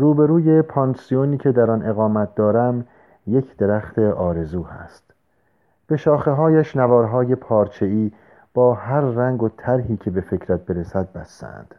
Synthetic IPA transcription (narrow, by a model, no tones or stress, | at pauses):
ruːbe̞ɾuːje̞pʰɒnsijoniːcʰe̞d̪æɾɒnʔe̞ɣɒːmæt̪̚d̪ɒːɾæm | je̞cʰd̪̥e̞ɾæχt̪ʰe̞ʔɒːɾe̞zuːhæ̰st̪ | b̥e̞ʃɒːxe̞ɦɒːjæʃnævɒːɾɦɒːje̞pʰɒːɾt͡ʃʰe̞iː | b̥ɒːhæɾːæŋɡot̪ʰæɾɦiːcʰe̞be̞fecʰɾæt̪̚be̞ɾesæd̪̚bæsːæ̰nd̪̥